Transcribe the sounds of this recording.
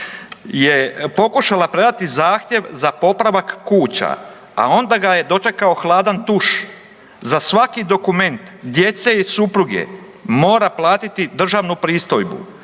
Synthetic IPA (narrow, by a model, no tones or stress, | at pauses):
je̞po̞kuʃalapɾe̞d̪at̪izaːxt̪ʲje̞ʋzapo̞pɾaʋakːuːt͡ɕa̰ | a̰o̞nd̪aɡaje̞d̪o̞t͡ʃe̞kao̞xlˠaːd̪ant̪uʃ | zasʋakid̪o̞kume̞nt̪d̪je̞t̪se̞isupɾuɡḛ | mo̞ːɾaplˠaːt̪it̪id̪r̩ʒaʋnupɾiːst̪o̞jbṵ